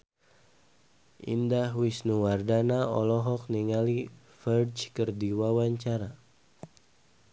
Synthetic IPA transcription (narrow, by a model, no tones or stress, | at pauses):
ʔḭndahwisnuwardanaɔ̰lɔɦɔk̚niŋali | fərt͡ʃkərdiwawaɲt͡ʃaɾa